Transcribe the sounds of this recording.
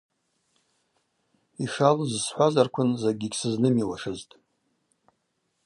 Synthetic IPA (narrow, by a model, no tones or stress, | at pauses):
iʂalzsħʷazarkʷʰʊnzaɡʲiɡʲsɨznɨmiwaʂɨztʼ